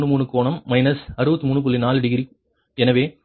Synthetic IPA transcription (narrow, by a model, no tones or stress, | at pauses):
ɳɯmuːɳɯkoːɳɐmːɐɪnɐsɐɾɯbɐt̪ːɯmuːɳːɯp̬ʊlːinaːlɪɽɯɣɪɾi | ɛnɐʋeː